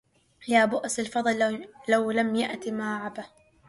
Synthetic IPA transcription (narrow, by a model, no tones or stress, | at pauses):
jaːbʊʔsalfɑd̪ˤllawlamjaʔt̪imaːʕaba